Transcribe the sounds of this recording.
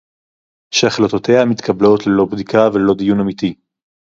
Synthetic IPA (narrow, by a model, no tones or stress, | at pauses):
ʃaχlot̪ot̪e̞hamit̪kʰɐablo̞t̪lelo̞bd̪ikavelo̞d̪ijunamit̪i